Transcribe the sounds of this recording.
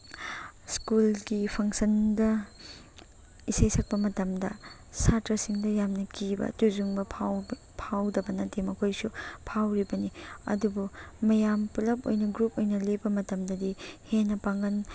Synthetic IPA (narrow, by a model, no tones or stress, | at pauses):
skulɡipʰɐŋsɐndɐ | isejsʰɐk̚pɐmɐtɐmdɐ̰ | satɾɐsiŋdɐjamnɐkibɐ̰tuzuŋbɐpʰa | pʰawdɐbɐnɐtemɐkʰojsupʰawɾibɐniɐ̰dubumɐjampulɐp̚o̰jnɐɡɾup̚ojnɐlebɐmɐtɐmdɐdihenːɐpaŋɡɐn